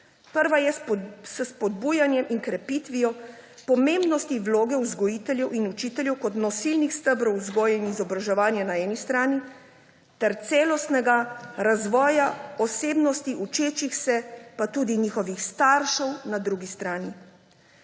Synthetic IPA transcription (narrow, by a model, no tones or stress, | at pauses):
pəɾʋajɛsəspɔd̪buːjanjɛmʔiŋkɾɛpit̪ʋijɔpɔmẽmbnɔst̪iʋloːɡɛuzɡɔjit̪ɛljɛwʔinut͡ʃiːt̪ɛljɛwkɔt̪nɔsilnixst̪əbɾɔwzɡɔːjɛinizɔbɾaʒɛʋaːnjɛnaɛːnist̪ɾaːni | t̪ɛɾt̪sɛːlɔst̪nɛɡaɾazʋɔːjaɔseːbnɔst̪iʔut͡ʃeːt͡ʃixsɛpat̪uːd̪iniːxɔʋixst̪aɾʃɛwnad̪ɾuɡist̪ɾaːni